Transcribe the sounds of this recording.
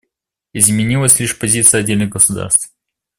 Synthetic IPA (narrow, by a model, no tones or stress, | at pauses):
ɪzmʲɪnʲilˠəsʲlʲiʂpɐzʲit̪sɨjəɐdʲːelʲnɨɣɡəsʊd̪a̰rst̪f